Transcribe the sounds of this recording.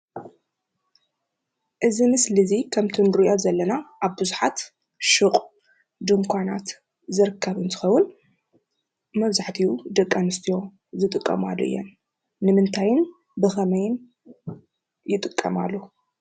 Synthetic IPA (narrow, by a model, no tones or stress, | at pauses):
ʔɨzimɨslɨzikʰɐmt̪ʰɨnɾɨʔozɐlːɐnaʔaβbɨzuħat̪ | ʃɨkʼ | d̪ɨŋkʰʷanat̪ | zɨɾɨkʰːɐβɨnt̪ʰɨ̥xɐwːʊn | mɐβzaħt̪ʰiud̪ɐkʼːanɨst̪ʰijo̞ | zɨt̪ʼɨkʼːɐ̰ma̰lːo̰ɨ̰jːɛ̰nː | ɨmɨnt̪ʰajɪn | bɨxɐmɐjɪn | jɪt̪ʼɨkʼːɐma̰lːo